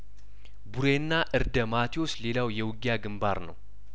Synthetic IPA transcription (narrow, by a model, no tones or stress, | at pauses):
buɾenːaʔɨɾd̪əmat̪ʰio̞sle̞lawjɛwʊɡjaɡɨmba̰ɾnə̰w